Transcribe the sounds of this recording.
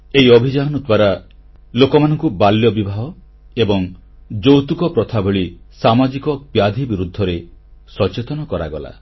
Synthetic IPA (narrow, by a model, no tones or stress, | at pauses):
eiɔbʱid͡ʒaɦɔnud̪baɾa | lokɔmanɔŋkubaljɔbibʱaɦɔ | ebɔŋ | d͡ʒowt̪ukɔpɾɔt̪ʰabʱeɭisamad͡ʒikɔbjad̪ʱibiɾud̪ʱːɔɾesɔt͡ʃet̪ɔnɔkɔɾa̰ɡɔla̰